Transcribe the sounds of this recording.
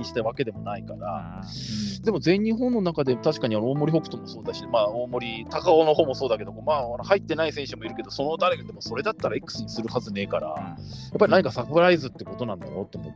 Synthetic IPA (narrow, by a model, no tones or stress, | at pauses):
ɲiɕi̥t̪aβake̞d̪e̞mo̞naikaɾa̰ | d̪e̞mo̞ze̞ɲ̟ːĩɰ̃ɦõ̞nːo̞nakad̪e̞mot̪aɕi̥kaɲ̟ianooːmo̞ɾʲiho̞kɯ̟̥t̪o̞moso̞ːd̪aɕimaːoːmo̞ɾʲit̪akaono̞ho̞ːmo̞so̞ːd̪aked̪o̞koːmaːanohait̪ːe̞naisẽ̞ɰ̃ɕɨmo̞iɾɯ̟ke̞d̪o̞so̞no̞d̪aɾe̞kad̪e̞mo̞so̞ɾe̞d̪at̪ːaɾaikɯ̥sɨɲisɨɾɯ̟hazɨne̞ːkaɾa̰ | japːaɾʲinaɲ̟ikasakɯɾaizɨt̪ːeko̞t̪o̞nãnd̪a̰jo̞̰t̪ːomo